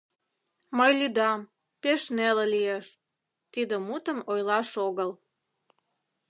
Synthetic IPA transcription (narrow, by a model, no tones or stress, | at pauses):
məjlyd̪ɑm | peʃnelelieʃ | t̪id̪ə̆mut̪əmojlɑʃoɣəl